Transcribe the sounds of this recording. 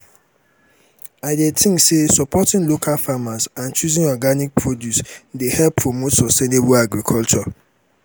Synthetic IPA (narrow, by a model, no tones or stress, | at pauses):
aɪdetʰɪ̃ŋsesɔpʰɔtɪ̃ŋlokʰalfamasãnt͡ʃuzĩŋɔɡanik̚pʰɹodjusdehɛlpʰːɹomotsɔstenebʊlaɡɾikʰɔlt͡ʃɔ